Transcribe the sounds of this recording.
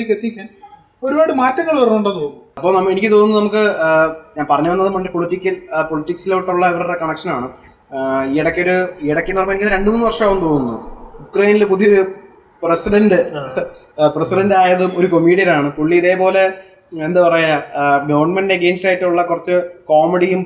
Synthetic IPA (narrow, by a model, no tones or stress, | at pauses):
ikːet̪ːiikʲːan | o̞ɾubaːɽɨmaːtːɐŋːɐɭʋɐrɐnːuɳɖoːt̪oːnːuɐpːo̞ːnɐmːenikʲːɨt̪oːnunːnɐmuk̬ːɨɲaːnpɐrɐɲːuʋɐnːɐðɨmɐndepoɭitːikʲːɐlpoɭitːiksilːʈːuɭːɐeʋɐrɐɽekɐɳɐkʂɐnaːɳɨ | ieɽɐkːeoɾueɽɐkːemɐrɐɲːɐenikʲːnːɐɾe̞ɳɖɨmuːnːɨʋɐrʂaːʋumt̪oːnːunːujukrɐjnilp̬uðijoɾu | presiɖɐndɨ | presiɖɐndaːjɐðumo̞ɾuko̞mːiːɽijɐlaːɳɨkuɭːiiðe̞ːpo̞ːle̞ | end̪ɨpɐrɐjaɡɐʋɐrɳmendeɡe̞ːnstaːjiʈːɨuɭːɐkurɐt͡ɕːɨko̞ːmeɽijum